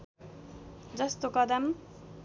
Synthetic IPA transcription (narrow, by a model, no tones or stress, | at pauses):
d͡zʌst̪okʌd̪ʌm